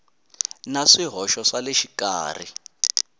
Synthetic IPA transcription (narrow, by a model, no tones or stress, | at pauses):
naʂiɦɔʃɔʂaleʃika̰ːr̤ḭ